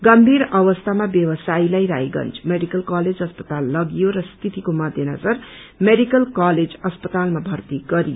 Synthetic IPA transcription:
ɡʌmbʱiɾʌwʌst̪ʰamabjʌwʌsailajɾaɦjɡʌ̰nt͡smeɽikʌlkaled͡zʌspʌt̪alːʌɡijorʌst̪ʰit̪ikomʌd̪ʱjenʌd͡zʌrmeɽikʌlkaled͡zʌspʌt̪almabʱʌrt̪iɡʌɾijo

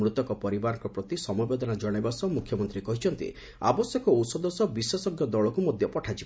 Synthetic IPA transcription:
mɾut̪ɔkɔpɔɾibaɾɔ̃ŋkɔpɾɔt̪isɔmubed̪ɔnad͡ʒɔɽ̃ebasɔmukʰjɔmɔnt̪ɾikɔɦit͡ʃʰɔnt̪ḭ | a̰bɔsjɔkɔowsɔd̪ɔsɔbisɔsɔɡjɔd̪ɔɭɔkumɔd̪ʱjɔpɔʈʰat͡ʃib

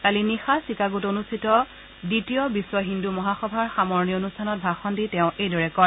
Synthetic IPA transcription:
kalinixasikaɡutonustʰitɔ | ditijɔbiswɔɦindumɔɦaxɔbʱaɹxamɔɹnijɔonustʰanɔt̚bʱaxɔnditɛʊ̃ʔejdɔɹɛkɔɹ

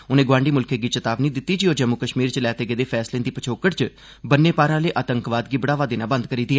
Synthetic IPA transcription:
ʊnẽːɡʋãːɳɖiːmʊlkʰeːɡiːt͡ʃət̪aːʋniːd̪ɪt̪ːiːd͡ʒioːd͡ʒəmːʊkəʃmiːɾt͡ʃlɛːt̪eːɡeːd̪eːpʰɛːslẽːd̪iːpət͡ʃʰoːkəʈt͡ʃ | bənːeːpaːɾãːleːʔaːt̪əŋkʋaːd̪ɡiːbəɽaːʋaːd̪eːnãːbə̃nd̪kəɾiːd̪iɛː

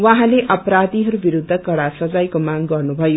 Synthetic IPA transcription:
waɦãleʔʌpɾad̪iɦʌɾubiɾud̪ʱːʌkʌɽasʌd͡zajkomaŋɡʌrnubʱʌjo

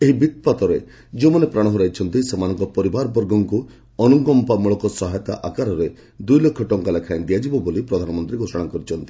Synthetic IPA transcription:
eɦibit̪̚pat̪ɔɾe | d͡ʒemanepɾaɽ̃ɔɦuɾajt͡ʃʰɔnt̪isemanɔŋkɔpɔɾibaɾɔbɔɾɡɔŋku | ɔnuɡɔmpamuɭɔkɔsɔɦajɔt̪a̰ʔakaɾɔɾe | d̪ujlokʰːɔʈɔŋkalekʰaj̃nd̪ijad͡ʒibɔbolipɾɔd̪ʱanɔmɔnt̪ɾiɡʱosɔɽ̃akɔɾit͡ʃʰɔnt̪i

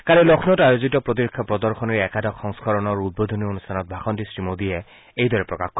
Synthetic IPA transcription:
kaɹɛlɔkʰnɔtajozitɔpɹot̬iɹkʰːapɹɔdɔɹxʰɔniɹɛkadɔkxɔŋskɔɹɔnɔɹud̚bod̪ʱonionustʰanɔt̚bʱaxɔntisɹimodijɛ | ejdɔɹɛpɹɔkaxkɔ

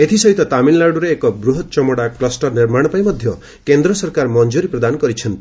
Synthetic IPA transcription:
et̪ʰisɔɦit̪ɔt̪aminlaɾɽuɾeːkɔbɾuɦɔt̪t͡ʃɔmɔɽaklɔsʈɔɾniɾmaɽ̃ɔpajmɔd̪ʱjɔ | kend̪ɾɔsɔɾkaɾmɔnd͡ʒuɾipɾɔd̪anɔkɔɾit͡ʃʰɔnt̪i

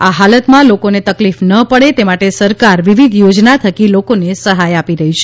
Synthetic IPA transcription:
aɦalət̪mãlokonet̪əklifnəpəɽet̪emaʈesəɾkaɾʋiʋid̪ʱjod͡ʒnat̪ʰəkilokonesəɦajapiɾəɦit͡ʃʰe̥

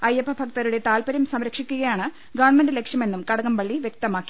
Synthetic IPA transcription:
ɐjɐpːɐbʱɐkt̪ɐɾuɽe̞t̪aːlpɐɾɐmsɐmɾɐkʂikʲːuɣɐjaːɳɨ | ɡɐʋɳmɐndɨlekʂjɐme̞nːumkɐɽɐɣɐmpɐɭːiʋjek̚t̪ɐmaːkːi̥

